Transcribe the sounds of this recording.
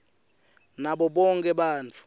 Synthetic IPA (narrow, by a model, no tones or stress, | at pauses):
naɓɔɓɔŋkʼɛɓaːnt͡fʰu̥